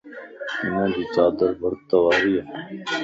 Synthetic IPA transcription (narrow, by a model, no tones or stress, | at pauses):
ɪnãːd͡ʒ̪iːt͡saːd̪əɾbʱəɾt̪əʋaːɾiːaː